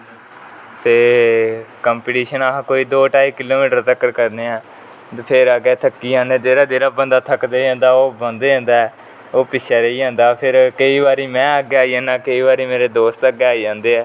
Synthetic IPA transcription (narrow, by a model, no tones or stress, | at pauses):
t̪eː | kəːmpɪʈiːʃənaɦãːkoːiːd̪oːʈaːiːkɪloːmiːʈəɾt̪əkːəɾkəɾneːɛ̃ː | pʰɪɾəɡɛːt̪ʰəkːiːd͡ʒãːnd̪eːd̪eːɾaːd̪eːɾaːbənd̪aːt̪ʰəkd̪eːãːnd̪aːoːbə̃nd̪eːɛ̃ːnd̪aːɛː | oːpɪʃʰaːɾeiːãːnd̪aːpʰɪɾkəiːbaːɾiːmɛ̃ːəɡeːaːiɛ̃ːnaːkəiːbaːɾiːmeːɾeːd̪oːst̪əɡeːaːid͡ʒãːnd̪eːɛː